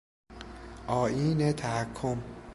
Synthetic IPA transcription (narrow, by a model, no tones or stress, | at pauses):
ʔɒːʔiːnet̪ʰæhækʰːom